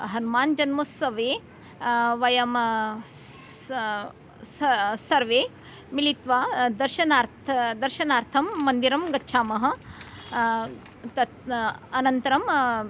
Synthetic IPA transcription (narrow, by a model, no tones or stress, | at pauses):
ɦɐnumaːnd͡ʒɐnmɐsɐʋeː | ʋɐjɐm | ssɐɾʋeː | milit̪ʋaːd̪ɐɾʃɐnaːɾt̪ʰɐd̪ɐɾʃɐnaːɾt̪ʰɐmːɐnd̪iɾɐmɡɐtːʃʰaːmɐɦɐ̆ | t̪ɐt̪ɐnɐnt̪ɐɾɐm